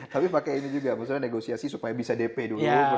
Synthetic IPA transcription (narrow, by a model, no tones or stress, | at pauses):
t̪apipakainid͡ʒuɡaməks̬utɲaneɡosiasisupajabisadepedulu